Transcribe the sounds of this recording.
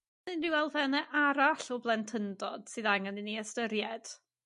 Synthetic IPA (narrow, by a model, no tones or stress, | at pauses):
ɨnriwɛlˠvɛnɛʔaɾaɬɔblˠɛntʰəndɔd̥sɨðaŋənɨnːiəstəɾjɛd̥